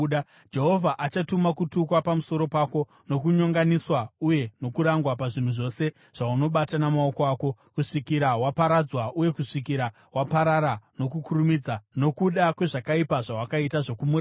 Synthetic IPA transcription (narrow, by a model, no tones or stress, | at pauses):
d͡ʒe̞ɦo̞vʱaʔat͡ʃatumakutukwapamuso̞ɾo̞paːko̞ | no̞kuɲoŋɡaniswauje̞no̞kuɾaŋɡwapaʐin̤uʐo̞se̞ | ʐ̥auno̞ɓatanamao̞ko̞aːko̞ | kuʂikiɾawapaɾad͡zwaʔuje̞kuʂikiɾa | wapaɾaɾano̞kukurumid͡zano̞kuɗakwe̞ʐakaipaʐawakaitaʐo̞kumuɾ